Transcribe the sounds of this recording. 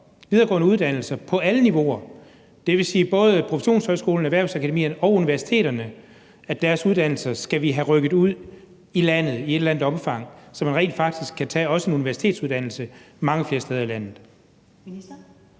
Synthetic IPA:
ʋiðˠɐːɡ̥ɔ̰ːnəuð̞ˠd̥æn̰l̩sɐpʰɒ̽æləniʋo̝̰ɐ | d̥e̝ʋe̝siːb̥ɔ̽ːð̞ˠəpʰʁofe̥ɕo̝̰ːnshɒɪsɡ̥o̝̰ːln̩æʋæɐʊsækʰæd̥e̝mḭːɐnɒ̽ʊuniʋæɐsi̥t͡sʰe̝̰ːɾɐnə | æd̥æɐsuð̞ˠd̥æn̰l̩sɐsɡ̥æʋiɦæʁœɡ̥ð̩ˠuð̰ˠ | ilæn̰ð̞̩ˠie̝d̥læn̰ð̥ˠɒ̽mfɑ̈ŋ̰sɒ̽mænʁḛːnd̥fɑ̈ɡ̥̚d̥isɡ̥kʰːæt͡sʰɛ̰ːɒ̽səe̝nuniʋæɐsi̥t͡sʰe̝̰ːd̥suð̞ˠd̥æn̰l̩sə | mɑ̈ŋəfle̝ːɐsteːð̞ˠɐilæn̰ð̩ˠ

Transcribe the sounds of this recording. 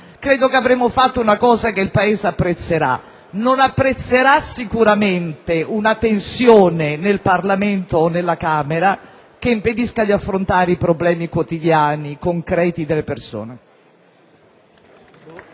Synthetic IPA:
kɾeːd̪okeavɾemofat̪ːounakɔːzakeilpaeːzeapːɾet̪sːeɾa̰ | nonapːɾet̪sːeɾasikuɾament̪eunat̪ensjoːnenelparlament̪oːnːelːakaːmeɾa | keimped̪iskad̪iafːɾont̪aːɾeipɾoblɛːmikwot̪id̪jaːnikoŋkɾɛːt̪id̪elːeperso̰ːne

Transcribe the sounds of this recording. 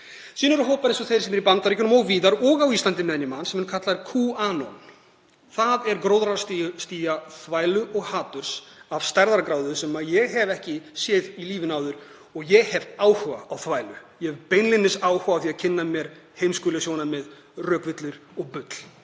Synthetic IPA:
siːnʏɾʏɦoːwpaɾɪnsɔθejɾ̥sɛmɛɾipant̪aɾihcʏnʏmɔɣviːðaɾɔɣawiːst̪ant̪ɪnmðɛnjɪmansɛmɛnkʰat̪laɾkʰuanon | θaðɛɾkɾoːwðɾasst̪iːjaθvaːjlʏʔɔɣhaːt̪ʏɾ̥sav̥st̪aɾðaɾkɾaːwðʏsɛmaðjɛɣɦɛvɛhcɪsɛːðiliːvɪnaːwðʏɾ̥ | ɔɣjɛɣhɛvaːwhaːwθvaːjlʏjɛhɛvpejnlɪnɪsaːwhʏaːθiaðcʰɪnːamjɛɾ̥ | hejmskʏːlɪsjoːwnamɛð | rœːkvɪt̪lɪɾ̥ɔɣpʏt̪l̥

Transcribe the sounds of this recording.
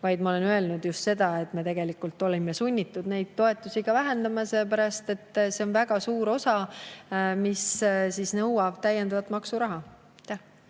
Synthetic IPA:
vɑjd̪mɑo̞le̞nø̞e̞lnud̪just̪se̞d̪ɑe̞t̪ːˑme̞t̪e̞ɡ̥e̞likult̪ːˑo̞lime̞sunʲːit̪ːˑud̪ne̞jd̪̥̚t̪o̞e̞t̪ːˑusiɡ̥ɑvæɦe̞nd̪ɑmɑselːpæɾɑst̪e̞t̪ːˑse̞o̞nvæɡ̥ɑsuːɾo̞sɑ | missisnɤwɑb̥̚t̪æjend̪ɑvɑt̪ːˑmɑksuɾɑɦɑ | t̪ːæh

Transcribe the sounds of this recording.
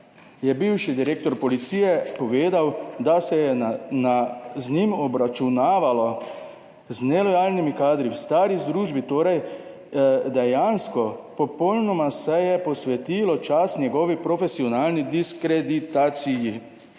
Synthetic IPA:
jɛbiwʃid̪iɾeːk̚t̪ɔɾpɔlit̪siːjɛpɔʋeːd̪awd̪asɛjɛnaznimɔbɾat͡ʃunaːʋalɔ | znɛlɔjaːlnimikaːd̪ɾiwst̪aːɾizd̪ɾuːʒbit̪oːɾaj | d̪ɛjanskɔpɔpɔwnɔmasɛjɛpɔsʋɛt̪iːlɔt͡ʃasnʲjɛɡɔːʋipɾɔfesiɔnaːlnid̪iskɾed̪it̪aːt̪siji

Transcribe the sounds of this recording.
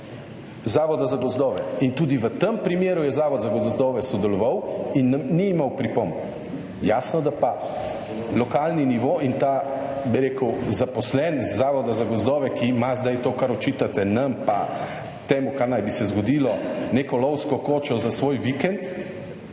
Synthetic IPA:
zaːʋɔd̪azaɡɔzd̪ɔːʋɛint̪uːd̪iʋət̪əmpɾimjeːɾujɛzaːʋɔd̪zaɡɔzd̪ɔːʋɛsɔd̪ɛlɔʋawinːmniimawpɾipomb | jasnɔd̪apa | lɔkaːlniniʋoːint̪abiɾeːkəwzapɔslɛnzːaːʋɔd̪azaɡɔzd̪ɔːʋɛkimazd̪ajt̪oːkaɾɔt͡ʃit̪at̪ɛnɐmpa̰ | t̪emukaɾnajbisɛzɡɔd̪iːlɔneːkɔlɔwskɔkoːt͡ʃɔzasʋoːjʋikɛnt̪

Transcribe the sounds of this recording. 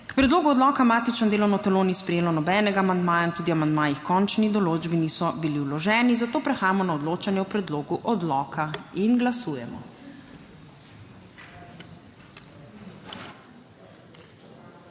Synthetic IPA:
kpɾɛd̪loːɡuɔd̪lɔːkamaːt̪it͡ʃnɔd̪eːlɔwnɔt̪ɛloːnispɾɛjeːlɔnɔbɛːnɛɡaːmand̪maːjaint̪uːd̪iamand̪maːjixkɔnt͡ʃnid̪ɔloːd͡ʒbinisɔbiliwlɔʒɛːnizat̪oːpɾɛxaːjamɔnaɔd̪loːt͡ʃanjɛupɾɛd̪loːɡuʔɔd̪lɔːkʰainɡlasuːjɛmɔ̰

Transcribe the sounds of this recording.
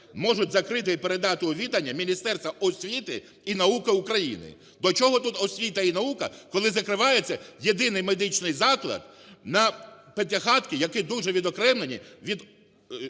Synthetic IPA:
mɔʒʊt̚ʲzɐkɾɪt̪ɪipeɾed̪ɑt̪ɪɔʋʲid̪ɐnʲːɐmʲinʲist̪ɛrst̪ʋɐʔɔsʲʋʲit̪ɪ̰ | inɐukɪukɾɐjḭnɪ̰ | d̪ɔt͡ʃɔɦɔt̪ut̪ɔsʲʋʲit̪ɐinɐukɐkɔlˠɪzɐkɾɪʋɑjet͡sʲːɐjed̪ɪnɪjmed̪ɪt͡ʃnɪjzɑklˠɐ̰d̪̚nɐpet̪ʲɐxɑt̪kʲɪjɐkɪd̪uʒɛʋʲid̪ɔkɾɛmlenʲḭʋʲid̪

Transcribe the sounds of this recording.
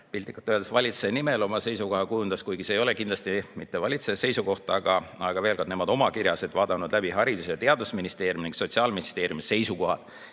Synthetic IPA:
pilʲt̪ikːˑɑt̪ːˑøːd̪esvɑlʲit̪senime̞lo̞mɑse̞jsuko̞ɦɑkujund̪̥ɑskujɡiseːjo̞le̞kind̪lɑst̪imit̪ːe̞vɑlʲit̪sese̞jsuko̞ht̪ɑɡ̥ɑɑɡ̥ɑve̞ːlkɑd̪nemɑd̪̥o̞mɑkiɾjɑse̞d̪vɑːd̪̥ɑnud̪̥læbiɦɑɾid̪usejɑt̪e̞ɑd̪usminist̪e̞ːɾjumniŋkso̞t̪ʲsiɑːlminist̪e̞ːɾjumise̞jsuko̞ɦɑ̰d̪̥

